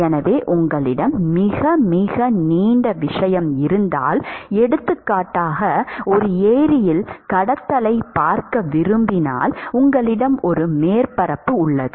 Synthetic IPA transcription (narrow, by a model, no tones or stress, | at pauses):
ɛnɐʋeːʔʊŋɡɐɭɪɽɐmːɪɣɐmɪɣɐniːɳɖɐʋɪʂɐjɐmɪɾɯnd̪a̰ːlɛɽɯt̪ːɯkːaːʈːaːɣɐɔɾɯeːɾɪjɪlkɐɽɐt̪ːɐlɐɪpaːɾkɐʋɪɾɯmbɪna̰ːlʊŋɡɐɭɪɽɐmɔɾɯmeːɾpɐɾɐpːɯʊɭːɐðɯ